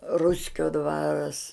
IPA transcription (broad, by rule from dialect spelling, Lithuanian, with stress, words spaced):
ˈrʊsʲkʲoː ˈdʋɑːrɐs